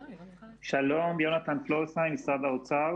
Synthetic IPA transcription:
ʃalomjonat̪anflosajnisad̪aot͡sa

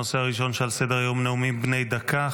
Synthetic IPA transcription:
oseaʁiʃo̞nʃelsed̪eʁjomneumibne̞jd̪akʰa

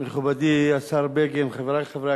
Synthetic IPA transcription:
meχubad̪iasaɾbeɡemχevɾaχevɾa

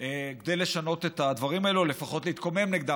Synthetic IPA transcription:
ekd̪ejle̞ʃano̞t̪et̪ad̪vaʁimaelule̞faχo̞t̪leit̪kome̞mneɡd̪a

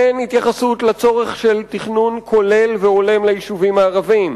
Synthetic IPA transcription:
enhit̪jaχasut̪lat͡so̞ʁe̞χʃe̞lt̪iχnunkʰo̞le̞lveo̞le̞mlajiʃuvimaːʁavim

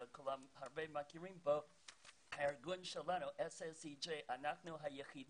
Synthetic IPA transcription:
kʰʊlamhaɹbemakiɹĩmbə | aɹɡunʃɛlanuʔɛsɛsid͡ʒeɪʔanaknuɦajəχid

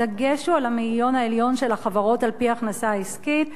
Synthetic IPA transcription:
aɡeʃualamiljo̞naeljo̞nʃe̞laχavaʁo̞talpiaːχnasaiskit

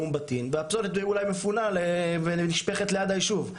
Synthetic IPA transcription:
umbat̪inveapso̞let̪̚beiulajmefunaleveniʃpe̞χet̪lejad̪ajiʃuv

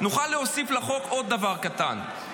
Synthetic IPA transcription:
nuχalːeosiflaχo̞kʔo̞d̪̚ːavaʁkat̪a̰n

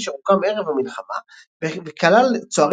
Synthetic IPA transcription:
ʃeʁukame̞ʁe̞vamilχama̰ | vvekalalt͡soaʁ

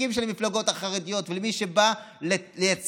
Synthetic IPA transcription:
imʃelmiflaɡo̞taχaʁed̪ijo̞t̪velemiʃe̞ba | lelejat͡s

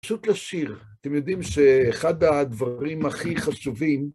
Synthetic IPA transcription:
ʃut̪laʃiʁat̪emjo̞d̪imʃeːχad̪ad̪vaʁimaχiχaʃuvim

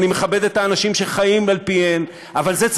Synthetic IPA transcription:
nime̞χabed̪e̞t̪aːnaʃimʃeχajimalpien | avalzet͡s

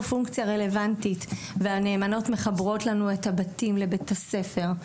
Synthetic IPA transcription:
fuŋkt͡sijaʁe̞le̞vantitveaneːmano̞tme̞χabʁo̞tlanue̞thabatimle̞betase̞fe̞ʁ

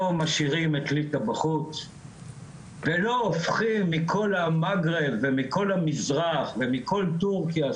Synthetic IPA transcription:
omaʃiʁimetlit̪abaχut͡s | velo̞ːfχimːikʰo̞lamaɡʁevemiko̞lhamizʁaχvemikʰo̞ltuʁkja

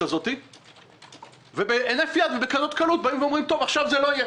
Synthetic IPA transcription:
azo̞t̪i | vebeʔenefjad̪vebekanot̪kalut̪̚baimveomʁimt̪o̞vaχʃavzelo̞ije

